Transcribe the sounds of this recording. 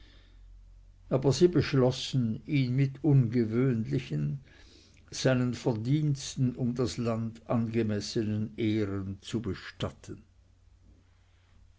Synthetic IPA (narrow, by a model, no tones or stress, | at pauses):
ʔaːbɐziːbəʃlɔsn̩iːnmɪtʰʊnɡəvøːnlɪçən | z̥aɪnənfɛɐdiːnstn̩ʊmdasland̥ʔanɡəmɛsənəneːʁənt͡subəʃtatʰən